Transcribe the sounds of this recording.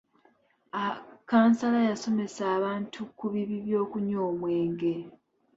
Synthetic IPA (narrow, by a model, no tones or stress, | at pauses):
akaːnsalajaso̞me̞saːβaːntʰukuβiβiβjo̞ːkuɲo̞ːmwe̞ːŋɡe̞